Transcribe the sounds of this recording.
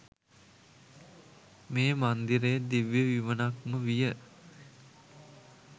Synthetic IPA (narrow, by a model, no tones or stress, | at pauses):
meːmand̪iɾəjed̪iʋjəʋiʋənaknuʋijə